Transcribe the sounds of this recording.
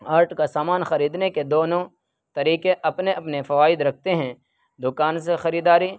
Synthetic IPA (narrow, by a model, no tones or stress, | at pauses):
aːɾʈkasaːmaːnxɐɾiːd̪neked̪oːnõ | t̪ɐɾiːkeʔɐpneʔɐpnefɐʋaːɪd̪ɾɐk̚ʰt̪eɦɛ̃ | d̪ʊkaːns̬exɐɾiːd̪aːɾi